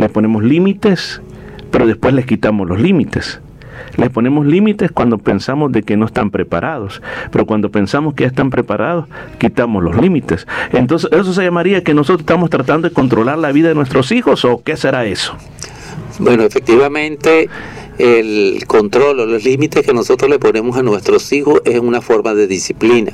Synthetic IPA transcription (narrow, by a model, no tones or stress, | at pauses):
lespone̞moslimit̪es | pe̞ɾo̞ðe̞spwe̞sle̞skit̪amoslo̞slimit̪es | lespo̞ne̞mo̞zlimit̪e̞skwand̪o̞pensamozðe̞kenoest̪ampɾepa̰ɾʔað̞ospeɾo̞kwand̪ope̞nsamoskeʝaest̪ampɾe̞paɾʔað̞oskit̪amoslo̞slimit̪esent̪o̞nsesens̬os̬eʝamaɾiakeno̞sot̪oe̥st̪amost̪ɾat̪and̪oðeko̞nt̪ɾo̞laɾlaβiðaðenwest̪ɾo̞sixo̞soke̞se̞ɾae̞so̥ | bwe̞noefek̚t̪iβamẽnt̪e | elko̞nt̪ɾo̞loloslimit̪eskeno̞sot̪ɾoslepone̞mosanwe̞st̪ɾosixosesunafo̞ɾmaðe̞ðisiplina